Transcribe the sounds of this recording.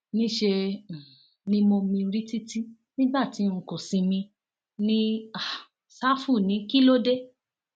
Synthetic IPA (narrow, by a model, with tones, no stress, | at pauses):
nĩ˦ʃe˧˨ | nĩ˦mo˧mĩ˧ɾi˦ti˦ti˦ | nĩ˦ba˦˨ti˨˦ŋ̩˨ko˨sĩ˧mĩ˧ | nĩ˦a˨ | sa˦fu˦˨nĩ˨˦ki˦lo˦de˦